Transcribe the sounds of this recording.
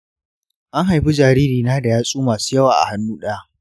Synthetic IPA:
ʔa˦ŋɦa˨jɸi˦d͡ʒaː˨ɾiː˦ɾiː˨naː˦da˨jaː˦sʼuː˦maː˨suː˦jɐ˦waː˨ʔa̰˨ha˦nːuː˦ɗɐ˦a˦ʔ

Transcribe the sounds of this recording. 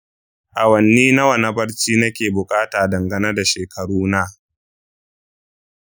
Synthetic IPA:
ʔa˨wɐ˨nːiː˦na˦wɐ˨nɐ˦bɐ˦ɽt͡ʃiː˦nɐ˦kʲeː˨bʊ˨kʼaː˦taː˨dɐ˨ŋɡɐ˦nɐ˦da˨ʃeː˨kʰɐ˨ɽuː˦na˦˨

